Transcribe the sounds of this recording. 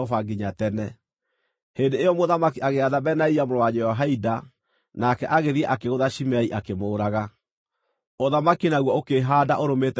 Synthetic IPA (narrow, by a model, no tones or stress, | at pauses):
ɔfaɡiɲatɛnɛ | hendeejɔmoðamakiʔaɣeaðabɛnaiamoɾowaɲɛaɦaida | nakɛʔaɣeɾiɛʔakeɣoðaʃimɛiʔakemoːɾaɣa | oðamakinaɣwɔokeɦaːdaʔoɾomet